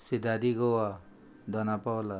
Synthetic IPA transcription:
sid̪ad̪iɡowa | d̪ʌnapawla

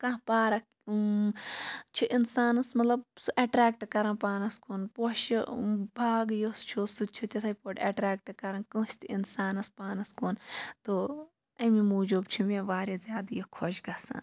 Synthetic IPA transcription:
kɐ̃ɦpaːɾɐk | t͡ʃʰiʔinsaːnɐsmɐt̪lɐb̚sʔeʈɾaːk̚ʈkɐɾɐ̃npaːnɐskoːnpoʃbʱaːɡjost͡ʃʰosut͡ʃʰut̪ʲɐt̪ʰɐjpoʈɐʈɾaːk̚ʈkɐɾɐnkũːst̪iinsaːnɐspaːnɐskoːnt̪o | ɐmimuːd͡ʒoːbt͡ʃʰimeʋaːɾezjaːd̪jokʰoʃɡɐsã̰ː

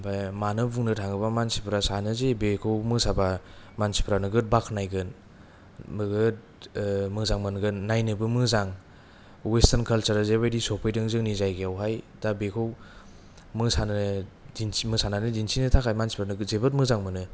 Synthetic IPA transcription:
bajmanɯbuŋnɯtʰaŋɯbamansipɾasanɯzebekʰɯwmɯsabamansi̥pɾanɯɡɯt̚bakʰnajɡɯn | mɯɡɯt̚ | mɯzaŋmɯnɡɯnːajnɯbɯmɯzaŋ | westankʰalsaɾazebajdisopʰɯjdɯŋzɯŋnizajɡeawɦaj | d̥abekʰɯw | mɯsanɯdinimɯsananɯdinsinɯtʰakʰajmansi̥pɾanɯɡɯzebɯt̚mɯzaŋmɯnɯ

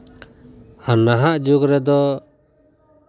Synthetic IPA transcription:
anːaɦaʔd͡ʒuɡɾɛd̪ɔ

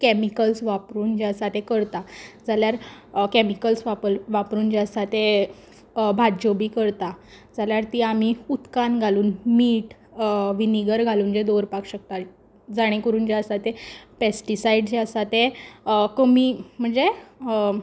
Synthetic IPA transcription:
kɛmikəlsʋapɾuːnd͡ʑeasat̪ekəɾt̪ad͡zaljaɾkemikəlsʋapəʋapɾuːnd͡ʑeəsat̪e | bʱad͡ʑobiːkəɾt̪a | d͡zaljaɾt̪iamiut̪kanɡʱaluːnmiːʈ | ʋiniɡəɾɡʱaluːnd͡ʑed̪oɾpakɕək̚t̪a | d͡zaɽ̃ẽkəɾuːnd͡ʑeəsat̪epesʈisaiɖd͡ʑeəsat̪ekəmiːm̤əɳd͡ze

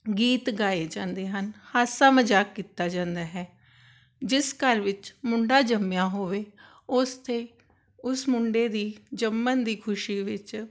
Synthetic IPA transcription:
ɡiːt̪ɡaːeːd͡ʒãːnd̪eːɦənhaːsaːməd͡ʒaːkːiːt̪aːd͡ʒãːnd̪aːɦɛː | d͡ʒɪskəɾʋɪt͡ʃmʊɳɖaːd͡ʒəmjãːɦoːʋeː | ʊst̪ʰeː | ʊsmʊɳɖeːd̪iːd͡ʒəmːənd̪iːkʰʊʃiːʋɪt͡ʃ

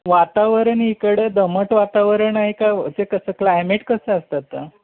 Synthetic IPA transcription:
ʋat̪aʋəɾəɳikəɽəd̪əməʈʋat̪aʋəɾəɳaɦikat͡sekəsəːklajmeʈkəsəast̪at̪ːə

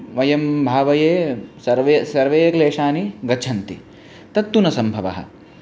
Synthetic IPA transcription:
ʋɐjɐmbʱaːʋɐjeːsɐɾʋesɐɾʋeːjɐkleːʂaːniɡɐt͡ʃʰɐnt̪i | t̪ɐt̪ːunɐsɐmbʱɐʋɐ̰ɦɐ̰̆

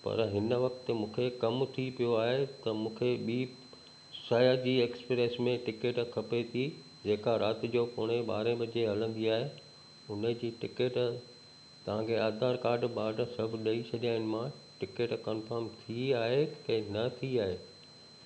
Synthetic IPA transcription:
pɐ̰ɾɦɪnəʋɐkt̪ə̆mũːkʰekɐmt̪ʰipijoaːɦet̪ɐmũːkʰeɓiː | saːjad͡ʑiːeːkspɾesmẽʈɪkeʈkʰɐpet̪ʰi | d͡ʑeːkaɾaːt̪ɪ̆d͡ʑoːkoːɽ̃eɓa̰ːɾẽɓɐd͡ʑeɦɐlə̃n̆d̪iaːɦe | ʊnə̆d͡ʑiːʈɪkeːʈ | t̪ɐʋ̤ãkʰeaːd̪ʱaːɾkaːɾɖɓaːɖsɐbʱɗɐisʰɐʄaːɪnɪ̆mã | ʈɪkeːʈkɔːnfəɾmt̪ʰiaːɦekɐ̃nɐt̪ʰiaːɦeː

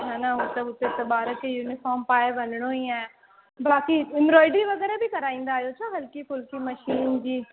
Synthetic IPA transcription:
ɦaːnaɦot̪ɐʊt̪et̪ɐɓaːɾəkʰejuːnɪfɔːɾmpaːɪbɐnɪɽ̃oĩã | baːkiɪ̃mɾɔːɪɖiʋɐɣɛːɾabɪkɐɾaːĩːn̆d̪aːɦjot͡ɕʰaːɦɐlkifʊlkimɐʃiːnd͡ʑiː

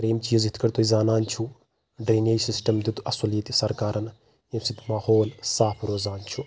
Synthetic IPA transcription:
ɾeːmt͡ʃiːzit̪ʰkɐɾt̪ʰoːizaːnaːnt͡ʃʰu | ɖɾeːnɐjsisʈɐmd̪ud̪ɐsulit̪isɐɾkaːɾɐn | ɐmsit̪maːhoːlsaːpʰɾoːzaːnt͡ʃʰu

